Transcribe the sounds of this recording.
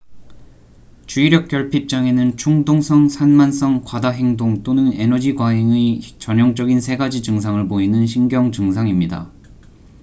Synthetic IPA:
t͡ɕuiɾjʌk͈̚jʌɭpʰip̚t͡ɕ͈aŋe̞nɯnt͡ɕʰuŋdoŋsʰʌŋsʰanmans͈ʰʌŋkwadaɦe̞ŋdoŋt͈onɯne̞nʌd͡ʑiɡwaɦeŋet͡ɕʌɲʌŋt͡ɕ͈ʌɡinsʰe̞ɡad͡ʑid͡ʑɯŋs̬ʰaŋɯɭpoinɯnɕʰiŋɡjʌŋd͡ʑɯŋs̬ʰaŋimɲida̰

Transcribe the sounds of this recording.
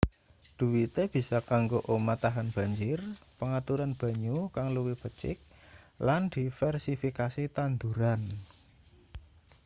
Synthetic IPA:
d̪̥ṳwit̪eb̥i̤sɔkaŋɡoʔomat̪aɦanb̥ä̤ɲd͡ʒɪrpəŋat̪uɾanb̥ä̤ɲukaŋluwɪb̥ət͡ʃɪ̰k̚ | land̪̥i̤fɛrsifikasit̪and̪uɾan

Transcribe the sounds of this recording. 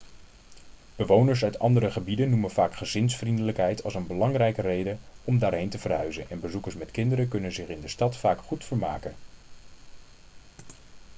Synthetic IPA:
b̥əʋownəɹs̬œɥtɑ̰ndərɾəχəbidənːumənv̥aːkχəzɪnsfrindələkɦɛjtʰɑlˠsənbəlɑŋrɛjkərejdəɔmdaːɹɦejntəvərɦœ̰ɥzənɛnbəzukəɹsmɛtkɪndəɾəkɵnənzɪχɪndəstɑtfaːkχutfəɹma̰ːkən

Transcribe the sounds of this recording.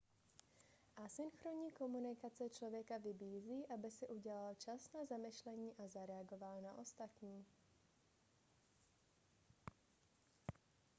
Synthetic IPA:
ʔasɪnxɾoɲiːkomunɪkat͡sɛt͡ʃlovjɛkavɪbiːziːʔabɪsɪʔuɟɛlalt͡ʃasnazamɪʃlɛɲiːʔazaɾɛaɡovalnaʔost̪at̪ɲiː

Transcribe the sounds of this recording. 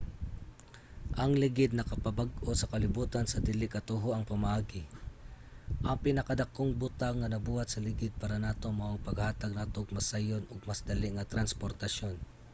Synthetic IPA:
ʔɐŋlɪɡɪd̪̚nɐkɐpɐbaɡosɐkɐlɪbuːt̪ɐnsɐd̪ɪlɪkɐt̪oɦoʔɐŋpɐmɐʔaːɡɪ | ʔɐŋpɪnɐkɐd̪ɐkːoŋbut̪aŋːɐnɐbuːhat̪̚sɐlɪɡɪd̪̚paːɾɐnaːt̪omɐʊpɐɡhaːt̪aɡ̚naːt̪oɡmɐsajonʊɡ̚masd̪ɐliŋɐt̪ɾɐnspoɾt̪ɐʃjo̞n

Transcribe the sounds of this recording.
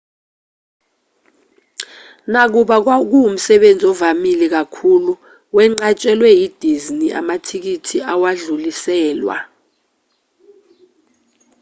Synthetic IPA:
nak̬uɓak̬ak̬uum̩sɛɓend͡zʱiɔvamilɛk̬akʰuːlu | wɛŋ͡ǀat͡ʃʼɛlwɛjid̥ʱizniʔa̰matʰik̬itʰiawaɮulisɛːlwa̰

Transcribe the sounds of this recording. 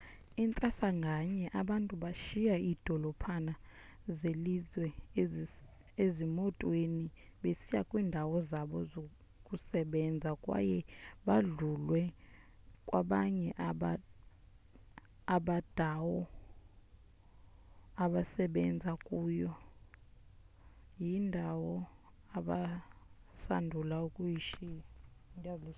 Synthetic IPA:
int͡sʼasaŋɡʱaɲɛʔaɓantʼuɓaʃijaiːd̥ʱɔlɔpʰanazelizwɛ | ezimɔtʼweniɓesijakʼwiːndʱawɔzaɓɔzo | kʼusɛɓɛnd͡zʱakʼwa̰jɛɓaɮulwɛ | kʼwaɓaɲɛʔaɓa | aɓad̥ʱawɔ | aɓasɛɓɛnd͡zʱakʼuːjɔ | jindʱawɔ | aɓa | sandʱulaukʼujiʃi | dl

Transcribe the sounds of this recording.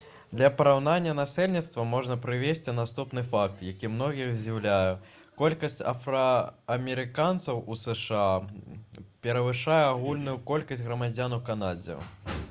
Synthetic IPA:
d̪lʲɐpɐɾawnanʲːɐnasʲɛlʲnʲit̪st̪vɐmɔʐnɐpɾɨvʲesʲt͡sʲinast̪upn̪ɨfak̚t̪jakʲimnɔɣʲiɣzʲiwlʲaju | kɔlʲkɐsʲt͡sʲɐ̰fɾɐːmʲɛɾɨkant̪sɐwusɛʂɨa | pʲɛɾɐvɨʂajɛaɣulʲnujukɔlʲkɐsʲtʲɣɾɐmad͡zʲanukanad͡zʲɛ̰

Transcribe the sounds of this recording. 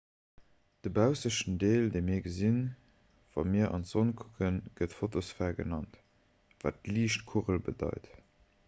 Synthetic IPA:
d̥əbaʊsəʃndeːldeɪmiːɐɡəzin | v̥ɑ̰miːɐʔɑ̰nzonkʰu̥kʰənɡ̥ətfotosfæːɡə̰nɑnt | va̰ːt̚liːʃtkʰuʁəlbə̰dɑ̰ɪt

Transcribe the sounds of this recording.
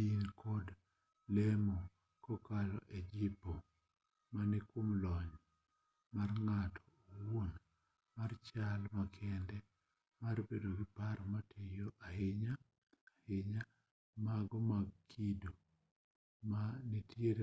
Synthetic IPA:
inkʰɔd | lemɔ | kɔkalɔ̰ʔed͡ʒipo | manɛkomlɔɲ | marŋatɔ̥won | mart͡ʃalmakʰɛndɛ | maɾbedoɡɪpaɾmatʰejoʔahɪɲa | hɪɲa | maɡɔmakʰido | manitjeɾ

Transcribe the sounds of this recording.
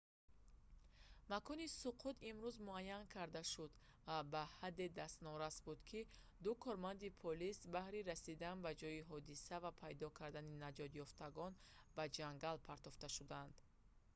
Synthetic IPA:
makʰɔnisuqʰut̪imɾuzmuajːankʰaɾd̪aʃud̪ | vabahad̪ːe̞d̪ast̪nɔɾasbud̪kʰi | d̪ukʰɔɾmand̪ipʰɔlisbahɾiɾasid̪anbad͡ʒɔjiɦɔd̪isavapʰajd̪ɔkʰaɾd̪aninad͡ʒɔd̪jɔft̪ʰaɡɔn | bad͡ʒaŋɡalpʰaɾt̪ɔft̪aʃud̪and̪̥

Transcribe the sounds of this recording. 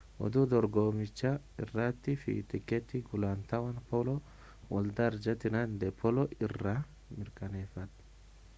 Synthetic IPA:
wɔ̰d̪ʊd̪ɔɾɡoːmɪt͡ʃːɐ | ɪ̰rːat̪ːɪfɪ̰t̪ɪkːɛt̪ːɪɡʊlant̪ɐwɐnpɔlɔ | wɔld̪ɐɾd͡ʒɐt̪ɪnɐnd̪ɛpʰːɔlɔʔɪrːɐ | mɪɾkɐneːfɐt̪ː

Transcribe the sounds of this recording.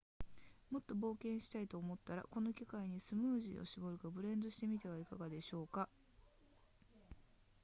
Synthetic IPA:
mo̞t̪ːo̞bo̞ːkẽ̞ɰ̃ɕi̥t̪ait̪o̞ːmo̞t̪ːaɾa̰ko̞no̞kʲikaiɲ̟isɨmɯːʑḭo̞̰ɕibo̞ɾɯ̟kabɯ̟ɾẽ̞nd̪o̞ɕi̥t̪e̞mʲit̪e̞β̞aikaɡad̪e̞ɕo̞ːka

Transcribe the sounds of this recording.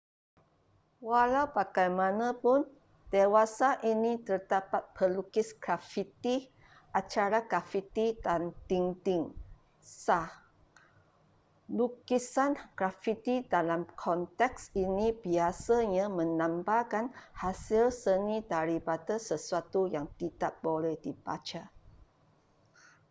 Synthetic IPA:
walawpakajmãnãpun | d̪̥ewasaʔinĩt̪ərd̪apat̪̚pʰərlukisɡ̥ɾafit̪i | ʔat͡ʃaɾaɡafit̪idant̪iŋt̪iŋ | sah | lukisanɡ̥ɾafit̪idalamkʰɔnt̪ɛksinĩbiasaɲãmə̃nãmbakanhasilsənĩdaɾibat̪asəsuat̪ujaŋt̪idap̚bolɛhdiba̰t͡ʃa

